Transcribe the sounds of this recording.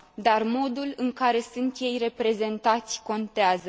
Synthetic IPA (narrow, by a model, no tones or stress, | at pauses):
d̪armo̞d̪ulɨŋkaɾe̞sunt̪je̞jre̞pɾe̞ze̞nt̪at̪sʲko̞nt̪eazə